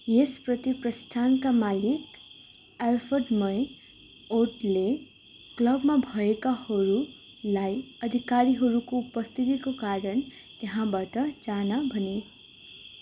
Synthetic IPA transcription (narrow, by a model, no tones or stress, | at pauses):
jesprʌt̪iprʌst̪ʰankamalik | alpʰʌɖmʌj | oʈle | klʌbmabʱʌekahʌɾu | lajʌd̪ʱikaɾiɦʌɾukoupʌst̪ʰit̪ikokaɾʌn | t̪eɦãbaʈʌd͡zanabʱʌne